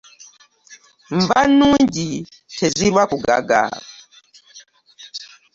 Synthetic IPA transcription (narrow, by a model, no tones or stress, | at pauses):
ɱvanuɲɟi | tʰɛziɾwakuɡa̰ɡa̰